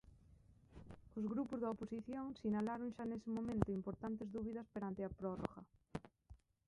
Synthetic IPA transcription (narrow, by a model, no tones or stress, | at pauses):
ozɣɾupozðaoposiθjoŋsinalaɾoŋʃanesɪmõmẽnt̪oimpoɾt̪ant̪ezðuβ̞iðaspeɾant̪eapɾoro̰ɣa̰